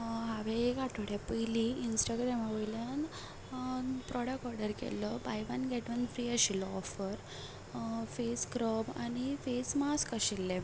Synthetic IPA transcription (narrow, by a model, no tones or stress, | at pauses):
ɦaʋẽekaʈʰoɽjapəjliinsʈaɡɾɛmaʋəljan | pɾɔɽəkʈɔɾɖəɾkɛ̰ləbajʋanɡɛʈʋənfɾiːaɕilɔɔfəɾ | feskɾəma̰ñifesmaskaɕilːe